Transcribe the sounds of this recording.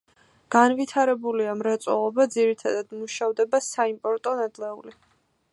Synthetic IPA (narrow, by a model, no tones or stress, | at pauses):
ɡ̥anvit̪ʰaɾɛbuliamɾat̪sʼɔ̰lˠɔbad̪ziɾit̪ʰad̪ad̪̥muʃavd̪ɛbasaimpʼɔɾt̪ʼɔnad̪lɛuli